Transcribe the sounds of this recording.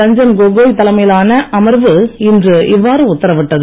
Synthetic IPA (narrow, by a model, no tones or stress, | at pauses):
ɐɲd͡ʒɐnɡoɡoːjt̪ɐlɐmɐjɪlaːnɐʔɐmɐɾʋɯɪndrɯʔɪʋːaːɾɯʊt̪ːɐɾɐʋɪʈːɐðɯ